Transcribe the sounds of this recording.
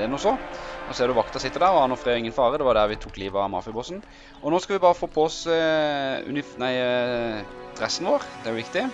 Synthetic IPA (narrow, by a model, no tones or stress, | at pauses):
ɛnɔsɔɔsɛːd̪ʊʋɑkt̪əʁsɪt̪ːəd̪æɾɔɑnɔfɾeːɪŋːənfɑːɾəd̪ɛʋɑɖ̪æɾʋɪt̪ʰuːkliːʋɑmɑ̰fɪbɔsn | ɔnoːskɑʋɪbɑːɾəfoːpʰɔɔsəʉ̰nɪfnæɪ | d̪̥ɾɛsːnʋoːɾd̪ɛʊʋɪkt̪ɪ